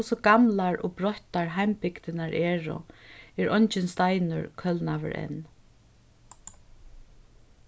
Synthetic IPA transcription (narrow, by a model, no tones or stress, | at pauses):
sɔɡamlaɹɔbɹɔht̪aɹɦajmpɪkt̪ɪnaɹʔɛːɹʊ̰ɛɹʔɔɲt͡ʃɪnst̪ajnʊ̰ɹkʰœlnaʋə̰ɹɛ̰n